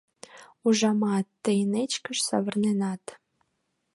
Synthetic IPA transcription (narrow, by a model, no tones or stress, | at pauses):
uʒɑmɑt̪ːejnet͡ɕkə̆ʃsɑ̰βə̆rnenɑt̪